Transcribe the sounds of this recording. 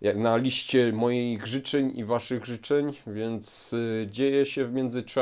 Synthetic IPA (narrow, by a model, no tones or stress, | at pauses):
nalʲiɕt͡ɕɛmɔjejʐɘt͡ʂɛɲḭvaʂɘɣʐɘt͡ʂɛɲvʲjɛnt̪sd͡ʑejɛɕɛvmʲjɛnd̪zɘt͡ʂa